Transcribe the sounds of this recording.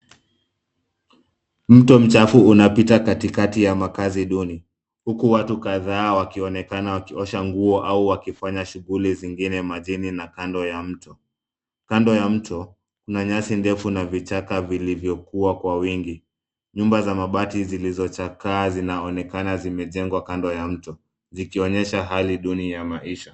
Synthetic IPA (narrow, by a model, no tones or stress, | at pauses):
m̩tɔm̩t͡ʃafuunapitakatikatijamakaziɗuni | hukuwatukaðaːwakiɔnɛkanawakiɔʃaŋɡuɔʔauwakifaɲaʃuɣuliziŋɡinɛmaʄininakandɔjam̩tɔ | kandɔjam̩tʰɔ | kunaɲasindɛfunavit͡ʃakavilivjɔkuwakwawiŋɡi | ɲumbazamaɓatizilizɔt͡ʃakaːzinaɔnɛkanazimɛʄɛŋɡwakandɔjam̩tɔ | zikiɔɲɛʃaɦaliɗunijamaiʃa